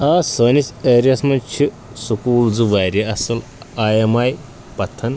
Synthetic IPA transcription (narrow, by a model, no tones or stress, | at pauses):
aːsəːniseːɾijɐsmɐnt͡ʃʰi | sukuːlzuʋaːɾjɐɐsɐl | ajemaj | pɐt̪ʰːɐn